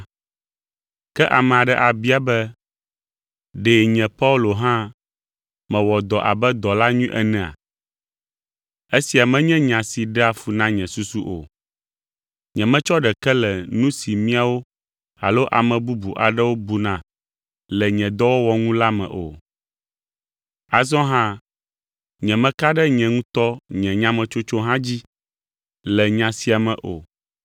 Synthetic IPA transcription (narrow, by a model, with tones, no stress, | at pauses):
kɛ˦ʔa˨mɛ̃˨a˨ɖɛ˦ʔa˨bi˦a˨bɛ˦ | ɖɛː˨ɲɛ̃˨pa˦u˦lo˨ɦã˦ | mɛ̃˨wɔ˨d̪ɔ˨ʔa̰˨bɛ˦d̪ɔ˨la˦ɲũ˦ʔɛ˨nɛ̃˨a̰˨ | e˦si˨a˨mɛ̃˦ɲɛ̃˦ɲã˨si˨ɖɛ˦a˨fu˨nã˦ɲɛ̃˨su˦su˦ʔo̰˨ | ɲɛ̃˨mɛ̃˦t͡ʃɔ˦ɖɛ˨kɛ˦lɛ˨nũ˦si˨mĩ˦a˦wo˦ | a̰˨lo˦ʔa̰˨mɛ̃˨bu˦bu˨ʔa˨ɖɛ˦wo˦bu˨nã˨ | lɛ˨ɲɛ̃˨d̪ɔ˦wo˦wɔ˨ŋũ˦la˦mɛ̰̃˨ʔo̰˨ | a˨zɔ̃˦ɦã˦ | ɲɛ̃˨mɛ̃˨ka˦ɖɛ˦ɲɛ̃˨ŋũ˦t̪ɔ˦ɲɛ̃˨ɲã˦mɛ̃˨t͡ʃo˦t͡ʃo˦ɦã˦d͡ʑi˦ | lɛ˨ɲã˨si˨a˨mɛ̃˨ʔo̰˨